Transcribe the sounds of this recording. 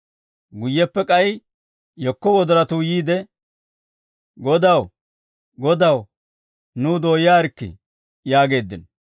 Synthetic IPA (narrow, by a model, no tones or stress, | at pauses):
ɡʊjːɛpːɛkʼɐj | jɔkːɔwɔd̪ɔɾɐt̪uːjiːd̪ɛ | ɡɔd̪ɐw | ɡɔd̪ɐw | nuːd̪o̞ːjaːɾkːɪ̰ | jaːɡe̞ːd̪ːɪn